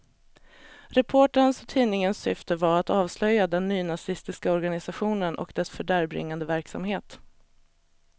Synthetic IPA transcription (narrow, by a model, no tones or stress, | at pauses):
ɾɛpʰoːʈənsɔt̪ʰiːnɪŋənsːʏft̪əvaɾat̪ɑːvslœjːad̪ɛnːyːnasɪst̪ɪskaɔɾɡanɪsaɧuːnənʔɔ̰kd̪ɛsfœɖæːɾbɾɪ̰ŋːand̪əvæɾksa̰mheːt̪